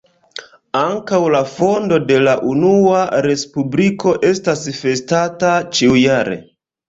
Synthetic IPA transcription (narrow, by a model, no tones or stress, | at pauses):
aŋkawlafo̞ndo̞de̞laʔunuaɾe̞spubliko̞ʔe̞stasfe̞statat͡ʃiujaɾḛ